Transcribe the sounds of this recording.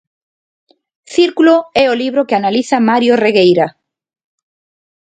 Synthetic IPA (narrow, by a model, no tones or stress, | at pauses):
θiɾkuloɛoliβ̞ɾokeanaliθamaɾjoreɣejɾa